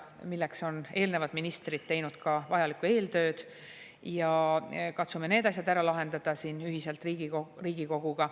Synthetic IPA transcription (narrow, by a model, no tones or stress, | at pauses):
milːekso̞ne̞ːlne̞vɑd̪minist̪rid̪̥̚t̪ːe̞jnud̪̥kɑvɑjɑlikːˑue̞ːlt̪ø̞ːd̪̥ | jɑkɑt̪sume̞ne̞ːd̪̥ɑs̬ʲjɑd̪æɾɑlɑɦe̞nd̪ɑd̪̥ɑsiːnyɦise̞lt̪ˑriːɡioriːɡ̥iko̞ɡ̥uɡ̥ɑ